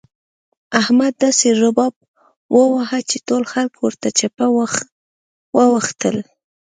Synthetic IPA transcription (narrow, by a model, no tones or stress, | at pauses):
ahmad̪ːaseɾʊbɑb̚ | wʔəwaɦat͡ʃetolxalkwəɾt̪at͡ʃapa | wəwaxt̪əl